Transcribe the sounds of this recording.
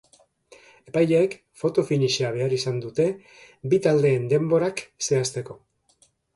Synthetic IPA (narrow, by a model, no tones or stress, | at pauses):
e̞pajʎeek | fo̞t̪o̞finiʃiaβ̞e̞aɾisand̪ut̪e̞ | bit̪ald̪e̞ːnd̪e̞mbo̞ɾakse̞ast̪e̞ko̞